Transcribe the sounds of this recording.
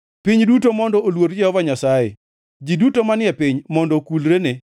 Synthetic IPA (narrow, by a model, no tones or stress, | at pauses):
piɲdutomɔndɔʔolwoɾd͡ʒɛhɔvaɲasajḛ | d͡ʒidutomanɪɛpɪɲmɔndɔkulɾene